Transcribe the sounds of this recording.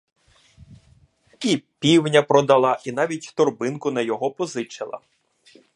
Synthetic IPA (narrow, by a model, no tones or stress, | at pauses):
ipʲiwnʲɐpɾɔd̪ɐlˠɑʔinɑʋʲitʲt̪ɔrbɪnkʊnɐjɔɦɔpɔzɪt͡ʃelˠɐ̰